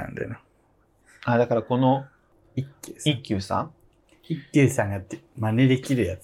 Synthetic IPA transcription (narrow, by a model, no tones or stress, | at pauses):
ã̰nd̪ḛno | ad̪akaɾako̞no | ikʲːɨːsikʲːɨːsã̰ | ikʲːɯːsãŋɡamane̞d̪e̞kʲiɾɯ̟jat͡s